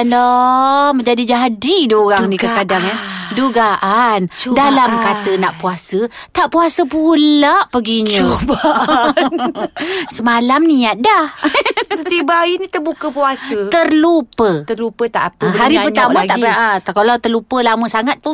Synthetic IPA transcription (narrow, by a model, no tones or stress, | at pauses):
ndɔməɲd͡ʒadid͡ʒaɦadiduoɾaŋnikəkadaŋanduɡaʔant͡ʃdalamkat̪ənaʔpuasə | t̪aʔpuasəpulaʔpəɡiɲəoba | səmalamniat̪̚dahət̪ibainit̪əbukəpuasət̪ərlupət̪ərlupət̪aʔapəɦaɾipərɲt̪amãɡ̪aʔʔakalawt̪ərlupəlaməsaŋat̪̚ːu